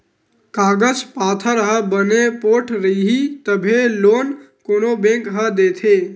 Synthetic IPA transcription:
kaːɡəd͡ʒpaːt̪ʰəɾɦəbənepoːʈʰɾəiɦit̪əbʱeloːn | koːnobẽːŋkɦəd̪eːt̪ʰeː

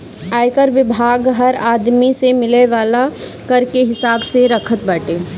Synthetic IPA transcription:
aːjkəɾʋɪbʱaːɡɦɐɾaːd̪misemɪleʋaːla | kɐɾkeɦɪsaːbseɾɐkʰət̪̚bəːʈeː

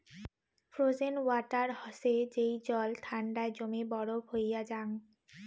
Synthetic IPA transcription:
fʰɾod͡ʑenwaʈaɾhɔʃed͡ʑejd͡ʑɔlt̪ʰaɳɖaed͡ʑomebɔɽobʱojad͡ʑaŋ

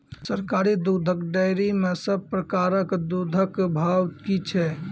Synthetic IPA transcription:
səɾkaɾid̪ud̪ʱəkɖəjɾimesəb̚pɾəkaɾəkd̪ud̪ʱəkbʱawkit͡ʃʰɛ

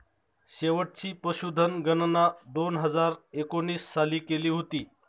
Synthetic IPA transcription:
ɕeʋəʈ̚t͡ɕiːpəɕud̪ʱːənɡənənad̪onɦəd͡zaɾekoniːsːaliːkeliːɦot̪iː

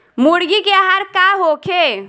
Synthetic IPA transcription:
muɽɡikeaɦaɾkaɦokʰe

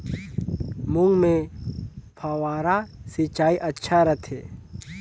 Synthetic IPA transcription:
mʊŋɡmẽ | pʰaːwaːɾasit͡ʃaːiʔətːʃʰaɾət̪ʰeː

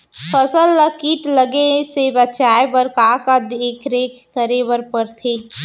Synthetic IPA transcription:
pʰəsəlːəkiːʈləɡesebət͡ʃaːebəɾkakad̪eːkʰɾekkəɾewəɾpəɾt̪ʰeː

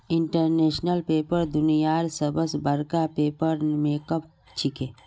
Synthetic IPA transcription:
ɪɳʈəɾneːʃnəlpeːpəɾd̪ʊnijaːɾsəbəsbɐɾkapeːpəɾmeːkəp̚ | t͡ʃʰikeː

